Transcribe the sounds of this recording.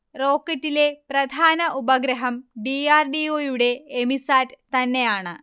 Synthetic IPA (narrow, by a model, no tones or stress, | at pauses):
ro̞ːkːɐtːile̞prɐd̪ʱaːnɐʔubɐɡɾɐɦɐmɖiaːrɖioːjuɽe̞ːmisaːtt̪ɐnːe̞jaːɳɨ